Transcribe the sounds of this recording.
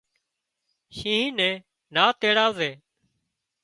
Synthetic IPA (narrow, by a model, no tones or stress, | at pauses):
ʃĩːĩːnɛ̃ː | naːt̪eːɽaːzeː